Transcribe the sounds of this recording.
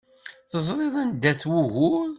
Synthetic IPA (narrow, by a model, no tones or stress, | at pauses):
θəzˤɾˤeðˤænd̪æθwuɣʊɾ